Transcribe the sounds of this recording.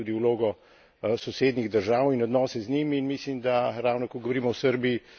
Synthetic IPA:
uːd̪iwloːɡɔ | sɔseːd̪niɣd̪əɾʒaːwinɔd̪nɔːsɛznimːnmislimd̪aɾawnɔkɔɡɔʋoɾiːmɔwsəɾbii

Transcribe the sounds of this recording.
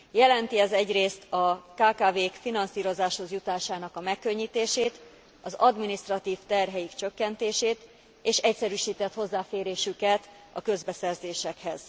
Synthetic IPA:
jɛlɛnt̪iɛzɛɟreːst̪ɒkaːkaːveːkfinɒnsiːɾo̞zaːʃho̞zjut̪aːʃaːnɒkɒmɛkːø̞ɲːiːt̪eːʃeːt̪ | ɒzɒd̪minist̪rɒt̪iːft̪ɛrɦɛjikt͡ʃø̞kːɛnt̪eːʃeːt̪ | eːʃɛcsɛɾyːʃiːt̪ɛt̪ho̞zːaːfeːɾeːʃykɛt̪ | ɒkø̞zbɛsɛrzeːʃɛkhɛz̥

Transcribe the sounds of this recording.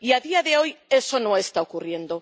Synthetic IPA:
iaðiaðeojesonõest̪aokurje̞nd̪o

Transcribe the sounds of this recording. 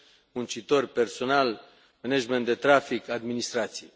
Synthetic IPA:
munt͡ʃit̪o̞rperso̞nal | menad͡ʒment̪d̪et̪ɾafikad̪minist̪ɾat̪sije

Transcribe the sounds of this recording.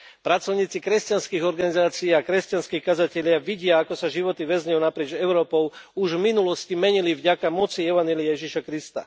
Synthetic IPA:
pɾat͡sɔʊɲiːt͡sikɾɛscanskiːɣɔɾɡanizaːt͡siːakɾɛscanskiːxkazacɛʎɪaʋiɟɪaakɔsaʒiʋɔt̪iʋɛzɲɛjunapɾɪɛd͡ʒɛʊɾɔːpɔʊuʒvminulɔscimɛɲilivɟakamɔt͡siɛʋanjɛliɪajɛʒiʃakɾist̪a̰

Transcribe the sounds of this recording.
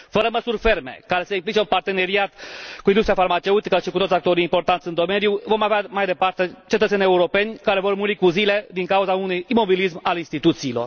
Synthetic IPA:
fəɾəməsurʲfe̞rme̞̰kaɾe̞seimplit͡ʃe̞unpart̪e̞ne̞ɾiat̪kuind̪ust̪ɾijafarmat͡ʃe̞ut̪ikəʃikut̪ot̪ʲjak̚t̪o̞ɾiimpo̞rt̪ant̪sʲɨnd̪o̞menjuvo̞maveamajd̪e̞part̪e̞t͡ʃe̞t̪ət̪se̞nʲe̞uɾo̞pe̞nʲkaɾe̞vo̞rmuɾikuzile̞d̪iŋkauzaunujimo̞bilismalinst̪it̪ut̪siːlo̞̰r

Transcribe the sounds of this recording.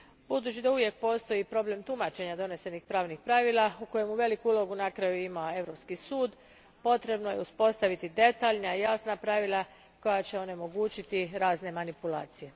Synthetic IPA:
bud̪uːt͡ʃid̪auʋje̞k̚po̞ːst̪o̞jipɾo̞ble̞mt̪umat͡ʃe̞ɲad̪o̞ne̞se̞nixpɾaːʋnixpɾaːʋiːlˠauko̞je̞muʋe̞likuulˠo̞ɡunakɾajuimae̞ʋɾo̞pskisuːd̪ | po̞t̪ɾe̞bno̞je̞uspo̞st̪aʋit̪id̪e̞t̪aːʎnaijasnapɾaʋilˠa | ko̞jat͡ɕe̞o̞ne̞mo̞ɡuːt͡ʃit̪iɾaːzne̞manipula̰ːt̪sije̞

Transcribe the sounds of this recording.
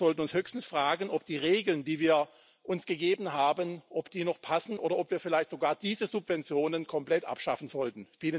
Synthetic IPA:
zɔltn̩ʊnshøːçstn̩sfʁ̥aːɡən̩ʔɔp̚d̥iːʁeːɡl̩ndiːviːɐ | ʔʊnsɡ̥əɡeːbn̩ɦaːbənʔɔpd̥iːnɔχpʰasn̩ʔoːɾɐɔpv̥iːɐfɪlaɪçtz̥oɡaːɐd̥iːzəzupv̥ɛnt͡sjoːnənkʰɔmplɛtʔa̰pʃafn̩zɔltn̩fiːlə

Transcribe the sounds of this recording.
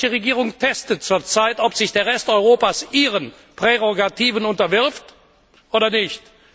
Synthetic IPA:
əʁeɡiːʁʊŋtʰɛstət͡suːɐt͡saɪtɔpz̥ɪçd̥eːɐʁɛstɔʏʁoːpaːsʔiːʁən | pʁ̥eʁoɡatiːvənʊntɐvɪɐft | ʔoːdɐnɪçt

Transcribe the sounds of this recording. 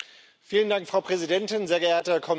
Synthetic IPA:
fiːləndaŋkfʁ̥aʊpʁ̥ɛzidɛntɪnzeːɐɡəʔeːɐtɐkʰɔm

